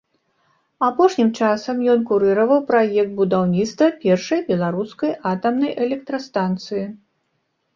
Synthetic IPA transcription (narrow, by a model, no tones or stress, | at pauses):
apɔʂnʲimt͡ʂasɐmjɔnkuɾɨɾɐvɐwpɾajɛk̚t̪̚bud̪awnʲit̪st̪vɐpʲɛrʂɐjbʲɛlˠaɾuskɐjat̪ɐmnɐjʔɛlʲɛk̚t̪ɾɐst̪ant̪sɨji